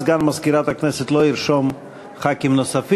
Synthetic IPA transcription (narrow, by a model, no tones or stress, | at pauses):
zɡanmaskiɾat̪aknɛset̪lˠoiɾʃom | χakimnosaf